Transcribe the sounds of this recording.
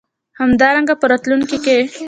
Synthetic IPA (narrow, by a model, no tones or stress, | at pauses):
hamd̪ɑɾaŋɡapəɾat̪lunkike